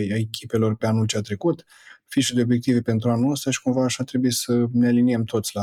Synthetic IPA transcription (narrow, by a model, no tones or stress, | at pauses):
jaekʲʰipe̞lo̞rpe̞anult͡ʃeat̪ɾe̞kut̪ | fiʃud̪eo̞bje̞k̚t̪ive̞pe̞nt̪ɾuanuəst̪aʃi̥kumvaːʃat̪ɾe̞buisənealiniemt̪o̞t̪sʲla